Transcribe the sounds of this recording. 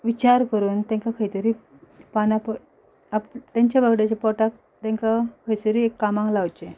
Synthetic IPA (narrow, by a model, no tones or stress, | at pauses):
ʋit͡ɕaɾkəɾuːnt̪ɛ̃ŋkakʰəjt̪əɾiː | panapɔ | apt̪jaɲt͡ɕjaʋəɡɽet͡ɕepɔʈak̚ | t̪ɛ̃ŋkakʰəjt͡s̪əɾiekːamãŋklaʋt͡ɕe